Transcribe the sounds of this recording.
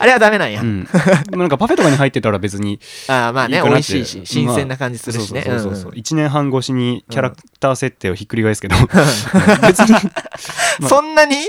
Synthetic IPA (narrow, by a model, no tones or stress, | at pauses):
aɾeβad̪ame̞nãɰ̃jã̰ɯ̃d̪emonãŋkapaɸe̞t̪o̞kaɲiɦait̪ːe̞t̪aɾabe̞t͡sɨɲ̟iaːmaːiekaonaiɕːeiːɕiɕĩmassẽ̞nːakãɲd͡ʑi̥sɨd̪oːsinesoɯ̃soːso̰ːit͡ɕinẽ̞ɰ̃ɦãŋɡo̞ːɕiɲ̟ikʲaɾak | t̪aːse̞t̪ːe̞ːoçikːɯ̟ɾʲiɡaisɨ̥ke̞d̪o | e̞t͡sɨɲi | masõnːaɲ̟i